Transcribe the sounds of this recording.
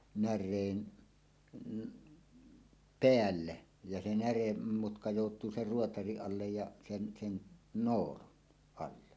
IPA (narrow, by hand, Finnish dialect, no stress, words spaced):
nærˑeːn peælːe jɑ se næremːutkɑ joˑutˑuː ser ruotɑriʔ ʔɑlːej jɑ sen sen noːlun ɑlːe